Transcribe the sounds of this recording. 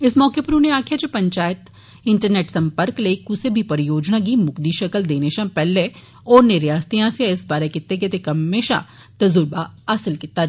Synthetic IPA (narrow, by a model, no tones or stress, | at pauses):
ɪsmɔːkepɐɾʊneaːkʰijad͡ʒopɐ̃ɲt͡ʃaːjət̪ | ɪ̃ɳʈəɾneːʈsɐ̃mpəɾklekʊsebʱipɐɾɪjoːd͡ʒnãkimʊkd̪iʃɐkəld̪eːneʃãpɛːlːe | ɔːɾnɪɾjaːst̪ijãsejaɪsbaːɾekɪt̪ːek̬et̪ekɐmːeːʃã̰ | t̪ɐzʊɾbaɐsəlkɪt̪ːa